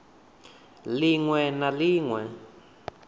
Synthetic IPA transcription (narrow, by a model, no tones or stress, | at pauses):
liŋwɛnaliːŋwɛ